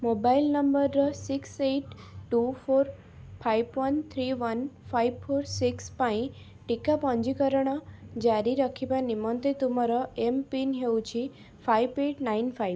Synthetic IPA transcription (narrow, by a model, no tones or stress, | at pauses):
mobailnəmbəɾːəsikseʈ | ʈufoɾ | fʰajbʋənt̪ʰɾiʋənfajbfoɾsikspaĩ | ʈikapɔ̃ɲd͡ʒikəɾəɽ̃ɔd͡ʒaɾiɾəkʰibãnimɔnt̪et̪umaɾɔempinɦeũt͡ʃʰi | fajbeʈnainfaib